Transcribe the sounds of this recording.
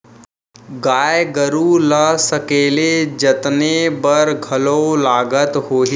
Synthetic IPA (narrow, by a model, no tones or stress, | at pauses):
ɡaːjɡəɾuləsəkeːled͡ʒət̪nebəɾɡʱɐlolaːɡət̪ɦoːɦi